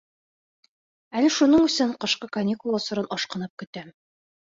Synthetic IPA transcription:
ælɘʃunɤɴɵ̆sɘɴqɤ̆ʃqɤkɐnʲːikulˠɑsɤ̆ɾɤnʔɒʃqɤ̆nɤp̚kɵ̆t̪æm

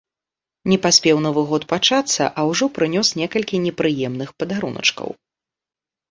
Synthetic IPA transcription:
nʲɛpasʲpʲɛwnɔvɨɣɔt̪pat͡ʂat̪sːɐ̰ʔɐwʐɔpɾɨnʲɔsnʲɛkɐlʲkʲinʲɛpɾɨjɛmnɨxpɐd̪aɾṵnɐ̰t͡ʂkɐ̰w

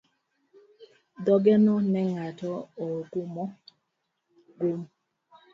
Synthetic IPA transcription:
d̪ɔɡɛnɔnɛŋatɔoɡumɔ | ɡum

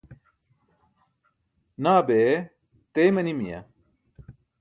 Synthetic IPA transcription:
naːbe | t̪ejmɐnimijɐ̰

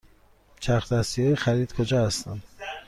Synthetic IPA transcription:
t͡ʃʰæxt̪æsijɒxæɾiːd̪̥kʰod͡ʒɒːhæst̪æm

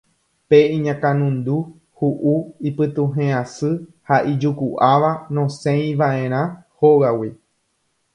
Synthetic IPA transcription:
peĩɲãkãnũnd̪u | huʔuipɨt̪ũɦẽãsɨhaʔid͡ʒukuʔaʋanõsẽj̃ʋaʔẽ̞ɾ̃ãhoɣawi

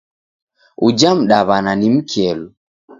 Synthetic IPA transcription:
ud͡ʒam̩ɗaβananim̩kʰiɛlu

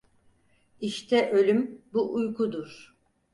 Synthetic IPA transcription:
iʃt̪ʰɛʔø̞lʲymbuʔujkud̪uɾ̥

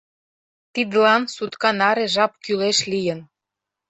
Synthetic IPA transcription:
t̪id̪əlɑnsut̪kɑnɑɾeʒɑp̚kyleʃlijən

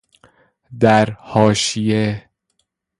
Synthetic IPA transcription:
d̪æɾhɒːʃije

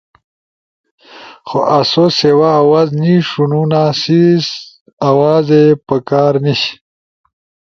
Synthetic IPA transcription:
xoʔasosewaːwazniʂununasis | awaːzepəkaːɾniɕi̥

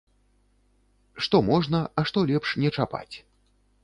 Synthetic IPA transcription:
ʂt̪ɔmɔʐnɐɐʂt̪ɔlʲɛpʂnʲɛt͡ʂapa̰t͡sʲ

